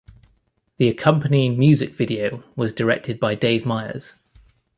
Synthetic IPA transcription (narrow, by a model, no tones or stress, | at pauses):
ðiəkʰʌ̃mpəniɪ̃ŋmjʉːzɪkv̥ɪdiəʊwɒzdəɹɛ̰k̚tʰɪd̚baɪdeɪvmaɪə̰z̥